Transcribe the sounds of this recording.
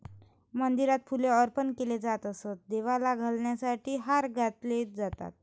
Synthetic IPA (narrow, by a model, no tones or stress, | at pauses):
mənd̪iɾat̪̚fʰuleəɾpənkeled͡zat̪əsət̪̚d̪eʋalaɡʱəlɳjasaʈʰiːɦaɾɡʱat̪led͡zat̪a̰t̪̚